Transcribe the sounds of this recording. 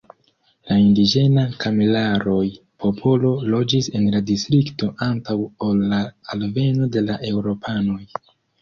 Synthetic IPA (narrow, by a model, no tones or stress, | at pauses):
laindid͡ʒe̞nakʰamilaɾo̞j | pʰo̞pʰo̞lo̞lo̞d͡ʒise̞nladistɾikto̞ʔantawolːaːlve̞no̞de̞laʔe̞wɾo̞pʰano̞j